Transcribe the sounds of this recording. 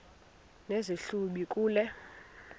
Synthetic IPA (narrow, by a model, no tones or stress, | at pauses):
neziɬuɓikʼuːlɛ